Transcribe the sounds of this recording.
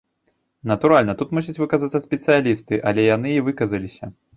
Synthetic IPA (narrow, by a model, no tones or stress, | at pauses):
nɐt̪uɾalʲnɐt̪ut̪musʲit͡sʲvɨkazat̪sːɐsʲpʲɛt̪sɨjalʲist̪ɨʔɐlʲɛjan̪ɨivɨkɐzɐlʲisʲɐ